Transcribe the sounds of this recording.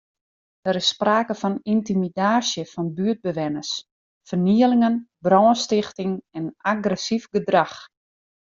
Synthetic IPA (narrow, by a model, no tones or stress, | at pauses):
dəɾɪsːpraːkəfɔnintimidaːsjəfɔnbyət̚bəʋɛnəs | fərniəlɪŋənbrɔːnstɪxtɪŋɛnaɡrəsifɡədrax